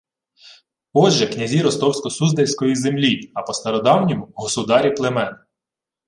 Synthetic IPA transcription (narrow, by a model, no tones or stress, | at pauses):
ɔʒɛknʲɐzʲiɾɔst̪ɔwsʲkɔsuzd̪ejʲsʲkɔjizemlʲiɐpɔst̪ɐɾɔd̪ɑwnʲimʊɦɔsʊd̪ɑɾʲiplˠemɛn